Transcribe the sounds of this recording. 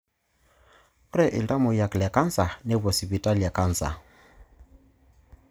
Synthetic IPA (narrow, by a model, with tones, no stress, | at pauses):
kɾɛ˦˨ʔɪ˨lta˦mo˨ja˨klɛ˨ka˦n˦sa˨ne˦βɔ˨si˨βi˨tʼa˦la˨ka˦˨nsa̰˨